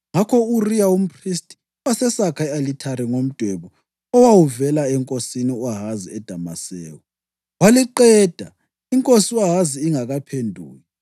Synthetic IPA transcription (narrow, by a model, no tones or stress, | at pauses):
ŋakʰɔurijaum̩pʰristʼi̥ | wasɛsakʰaɛalitʰaɾiŋom̩d̥ʱwɛβɔ | ɔwawuvɛlaɛŋkʼosiniwaɦaziɛd̥ʱama̰sɛːwɔ | waliǃɛːd̥ʱa | iŋkʼosiwaɦaziiŋaɣapʰendʱṵːji